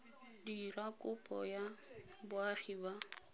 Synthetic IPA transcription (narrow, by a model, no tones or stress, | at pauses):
dirakʼʊpʼɔjabʊaχiba